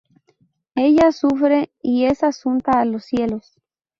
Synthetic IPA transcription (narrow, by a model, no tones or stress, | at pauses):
e̞ʝasufɾe̞ie̞sasunt̪aːlosːje̞los